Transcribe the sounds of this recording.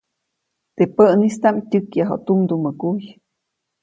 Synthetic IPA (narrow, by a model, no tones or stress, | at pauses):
t̪epəʔnist̪amtʲɨkjaɦo̰ʔt̪umd̪uməkuj